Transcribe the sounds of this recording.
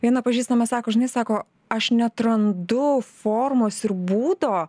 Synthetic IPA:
ʋʲiɛnɐpɐʒʲiːst̪ɐmɐsɑːkoːʒʲɪnɐɪsɑːkoː | ɐʃnʲɛt̪ɾɐnd̪ʊfoːrmoːsɪɾbuːd̪oː

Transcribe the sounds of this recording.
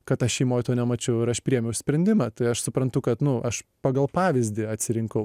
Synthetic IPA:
kɐt̪ɐʃʲɛɪmoːjt̪oːnʲɛmɐt͡ʃʲɛʊɪɾɐʃpʲɾʲiːjɛmʲjɛʊsʲpʲɾʲɛnʲd̪ʲɪmɑt̪ɐɪɐʃsʊpɾɐnt̪ʊkɐt̪nʊʔɐʃpɑːɡɐlˠpɑːʋʲɪzʲd̪ʲɪɐt̪ʲsʲɪɾʲɪŋkɐʊ

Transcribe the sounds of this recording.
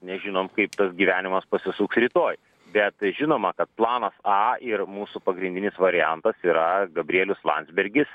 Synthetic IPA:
nʲɛʒʲɪnoːmkɐɪpt̪ɐsɡʲiːʋʲæːnʲɪmɐspɐsʲɪsuːksɾʲiːt̪oːj | bʲɛt̪ʒʲɪnoːmɐkɐt̪̚plˠɑːnɐsɑːɪrmuːsupɐɡɾʲɪnʲd̪ʲɪnʲɪsʋɐɾʲɪjænt̪ɐsiːɾɐɡɐbʲɾʲiɛlʲʊslˠɑ̰nd̪ʲzʲbʲɛɾʲɡʲɪs

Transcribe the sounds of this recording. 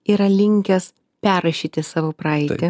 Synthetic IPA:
iːɾɐlʲɪŋʲkʲɛs | pʲæːɾɐʃʲiːt̪ʲɪsɑːʋoːpɾɐɪt̪ʲɪ

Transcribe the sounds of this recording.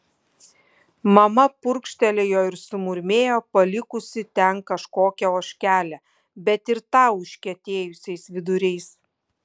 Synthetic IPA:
mɐmɐpʊɾkʃʲt̪ʲɛlʲeːjoːɪɾsʊmʊɾʲmʲeːjoːpɐlʲɪkʊsʲɪt̪ʲɛŋkɐʃkoːkʲɛoːʃʲkʲæːlʲɛ | bʲɛt̪ɪɾt̪ɑːʊʃʲkʲɛt̪ʲeːjʊsʲɛɪsʋʲɪd̪ʊɾʲɛɪs

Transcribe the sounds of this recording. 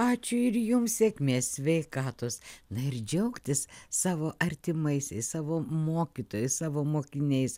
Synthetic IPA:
ɑːt͡ʃʲʊɪɾjʊmssʲeːkʲmʲeːsʲsʲʋʲɛɪkɑːt̪oːsnɐɪrd͡ʒʲɛʊkt̪ʲɪssɑːʋoːʔɐɾʲt̪ʲɪmɐɪsʲɛɪssɑːʋoːmoːkʲɪt̪oːjɛssɑːʋoːmoːkʲɪnʲɛɪs

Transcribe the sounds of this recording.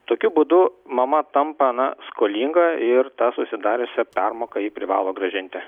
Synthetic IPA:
t̪oːkʲʊbuːd̪ʊmɐmɐt̪ɐmpɐɐnɐ̰skoːlʲiːŋɡɐɪɾt̪ɑːsʊsʲɪd̪ɑːɾʲʊsʲɛpʲɛrmoːkɐiːpʲɾʲɪʋɑ̰ːlˠoːɡɾɐʒʲɪnʲt̪ʲɪ

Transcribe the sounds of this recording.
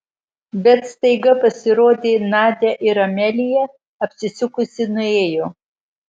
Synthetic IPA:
bʲɛt̪st̪ɐɪɡɐpɐsʲɪɾoːd̪ʲeːnɑːd̪ʲɛʔɪɾɐmʲɛlʲɪjɛ | ɐpʲsʲɪsʲʊkʊsʲɪnʊeːjoː

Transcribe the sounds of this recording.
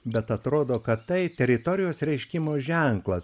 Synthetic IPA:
bʲɛt̪ɐt̪ɾoːd̪oːkɐt̪t̪ɐɪt̪ʲɛɾʲɪt̪ɔɾʲɪjoːsɾʲɛɪʃʲkʲɪmoːʒʲɛŋklˠɐs

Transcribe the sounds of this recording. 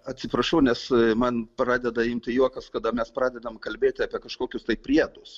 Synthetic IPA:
ɐt̪ʲsʲɪpɾɐʃɐʊnʲɛsmɐnpɾɑːd̪ʲɛd̪ɐjɪmt̪ʲɪjuɔkɐskɐd̪ɐmʲɛspɾɑːd̪ʲɛd̪ɐmkɐlʲbʲeːt̪ʲɪɑːpʲiɛkɐʃkoːkʲʊst̪ɐɪppʲɾʲiɛd̪ʊs

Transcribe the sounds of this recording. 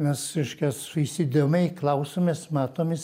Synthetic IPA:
mʲɛsɪʃkʲɛssʊisʲɪd̪ʲemʲɛɪklˠɐʊsoːmʲeːsmɑːt̪oːmʲɪs

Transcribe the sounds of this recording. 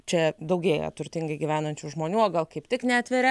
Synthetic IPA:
t͡ʃʲɛd̪ɐʊɡʲeːjɛ̰t̪ʊrʲt̪ʲɪŋɡɐɪɡʲiʋʲæːnɐnʲt͡ʃʲuːʒmoːnʲuːoːɡɐlˠkɐɪpt̪ʲɪknʲæːt̪ʲʋʲeɾʲɛ

